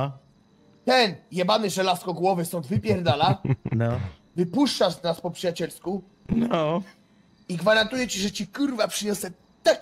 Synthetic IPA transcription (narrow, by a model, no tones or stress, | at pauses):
t̪ɛnjɛbanɘʐɛlaskɔɡwɔvɘsɔnd̪vɘpʲjɛɾd̪alanɔ | vɘpuʂt͡ʂaznaspɔpʂɨjat͡ɕɛlsku | nɔ | iɡvaɾant̪ujɛt͡ɕiʐɛt͡ɕikuɾvapʂɘɲɔsɛ | t̪ak